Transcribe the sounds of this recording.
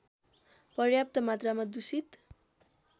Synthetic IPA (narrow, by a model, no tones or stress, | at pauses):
pʌrjap̚t̪ʌmat̪ramad̪usit̪